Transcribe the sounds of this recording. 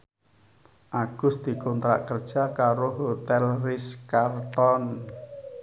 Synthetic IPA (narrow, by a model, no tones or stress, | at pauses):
ʔaɡ̥ʊ̤sd̪̥i̤kɔnt̪ɾa̰ʔkərd̥ʒ̥a̤kaɾoɦot̪ɛlrɪskart̪ɔn